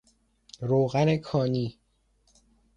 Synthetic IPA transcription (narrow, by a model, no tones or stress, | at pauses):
ɾoːɣæne̞kʰɒːniː